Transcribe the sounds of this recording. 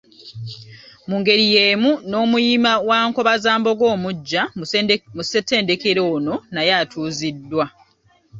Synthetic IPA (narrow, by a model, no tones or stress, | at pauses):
muŋɡe̞ɾije̞ːmuno̞ːmujimawaːŋko̞βazaːmbo̞ɡo̞ːmuɟːa | musete̞ːndekeɾo̞ːno̞najatʰuːzidːwa